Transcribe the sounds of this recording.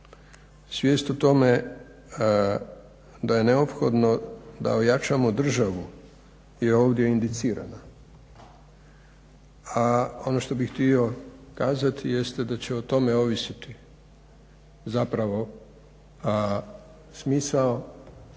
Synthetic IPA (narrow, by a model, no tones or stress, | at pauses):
sʋʲjeːst̪ot̪o̞me̞ | d̪aje̞ne̞opxo̞d̪no̞d̪a̰ojat͡ʃamo̞d̪r̩ʒaʋu | jeo̞ːʋd̪je̞ind̪it̪siːɾa̰na | ao̞no̞ʃt̪o̞bixt̪io̞kaːzat̪ʰije̞st̪ed̪at͡ɕe̞ot̪o̞me̞o̞ʋisit̪i | zapɾaʋo̞ | smiːsao